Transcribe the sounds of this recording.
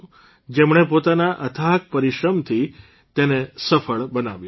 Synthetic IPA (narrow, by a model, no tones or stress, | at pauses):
d͡ʒemɳ̃epot̪anaʔət̪ʰak̚pəɾiʃɾəmt̪ʰi | t̪enesəfəɭbənaʋjũ